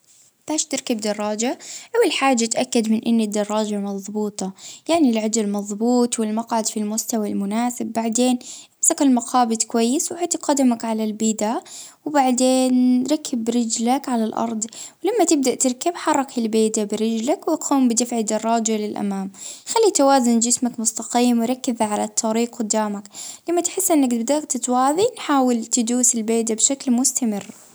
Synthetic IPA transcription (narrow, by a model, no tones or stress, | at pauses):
b̥aːʃt̪ɪɾkabd̪ɑrˤːɑːd͡ʒaʔawːalħaːd͡ʒːat̪ʔakːad̪mɪnʔɪnːɪd̪ːɑrˤːɑːd͡ʒamɑðˤbuːt̪ˤɑjaʕnilʕad̪ɪlmɑðˤbuːt̪ˤwɪlmɑqʕad̪filmʊst̪awalmʊnaːsɪbːaʕd̪eːnʔɪmsakɪlmɑqʰɑːbɪd̪kwajːɪswʕat̪qad̪amakʕalalbɪːd̪awɪbaʕd̪eːnɾˤɑkʰːɪbɾɪd͡ʒlakʕalalʔɑ̰ɾˤd̪ˤwlamːat̪ɪb̚d̪aʔt̪ɪɾˤkɪbħɑrˤːɑkɪlbeːd̪abɪɾɪd͡ʒlakwɪqʰuːmbɪd̪ɪfʕid̪ɑrˤːɑːd͡ʒalɪlʔa̰maːmxalːit̪awaːzʊnd͡ʒɪsmakmʊst̪ɑqiːmwɾˤɑkːɪzʕalat̪ʰːɑɾiːqwʊd̪aːmaklamːat̪ħɪsːʔɪnːakbd̪at̪t̪waːðinħaːwɪlt̪ɪd̪uːsɪlbeːd̪abʃaklmʊst̪amɪrː